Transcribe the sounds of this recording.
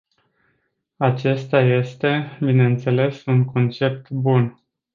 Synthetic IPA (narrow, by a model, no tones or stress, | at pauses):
at͡ʃe̞st̪aje̞st̪e̞bine̞ɨnt̪se̞le̞suŋko̞nt͡ʃe̞p̚t̪bun